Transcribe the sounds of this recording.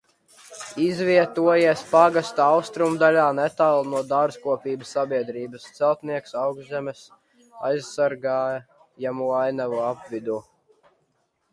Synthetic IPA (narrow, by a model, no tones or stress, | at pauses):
izviɛt̪uɔjiɛspaɡast̪awst̪ɾumd̪alʲaːnɛt̪alˠnuɔd̪aɾzkuɔpʲiːbasːabiɛd̪ɾiːbɐst̪sɛlˠt̪niɛksawɡzʲɛmɛs | ajzsaɾɡaː | jamuajnavuapvid̪u